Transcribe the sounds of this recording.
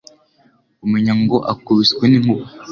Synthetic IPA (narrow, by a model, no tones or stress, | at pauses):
umuɲaŋɡoʔakuβisweniŋ̥u